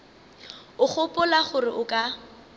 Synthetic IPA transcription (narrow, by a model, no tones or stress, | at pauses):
ʊχʊpʼʊlaχʊrɪʔʊkʼa